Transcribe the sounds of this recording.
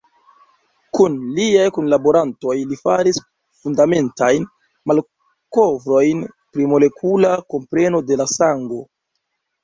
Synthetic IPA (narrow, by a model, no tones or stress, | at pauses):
kunliajkunlaboɾanto̞jlifa̰ɾis | fundame̞ntajn | mal | ko̞vɾo̞jn | pɾimo̞le̞kʰulako̞mpɾe̞no̞de̞lasaŋɡo̞